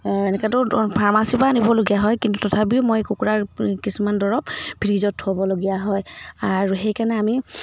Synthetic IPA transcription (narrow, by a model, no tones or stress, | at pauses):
ɛnɛkatʊpʰaɹmasipanibɔloɡijaɦɔjkintutɔtʰap̬iʊmojkukuɹaɹkisumandɔɹɔpbʱiɹizɔtʰːʊabɔloɡijaɦɔjaɹuxejkaɹnɛami